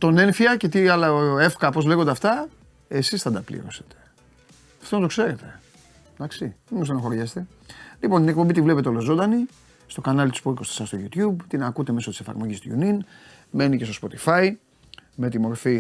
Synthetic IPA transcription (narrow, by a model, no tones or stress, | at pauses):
t̪o̞ne̞ɱfiɐce̞t̪iɐlɐoe̞fkɐpo̞zle̞ɣond̪eft̪ɐ | e̞sisθɐnd̪ɐplḭɾo̞̰se̞̥t̪e̥ | ɐ̥ft̪onɐt̪o̞kse̞ɾe̞t̪e̞ | d̪̥ɐksiðemost̪enɐxo̞ɾʝɐst̪e̞ | lipont̪inek̚pombit̪ivleet̪eo̞lo̞zo̞nd̪ɐni | st̪okanɐlt̪ispokost̪i̥sɐst̪o̞ʝut̪çubt̪inɐkut̪e̞me̞so̞t̪i̥sefɐ̰ɾmo̞ʝist̪o̰jṵnin | me̞nicest̪o̞spo̞t̪i̥fɐi | me̞t̪imo̞ɾfi